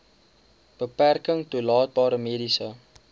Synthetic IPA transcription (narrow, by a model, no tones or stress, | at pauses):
b̥əpærkəŋtulɑːt̚bɑːɾəmeːdisə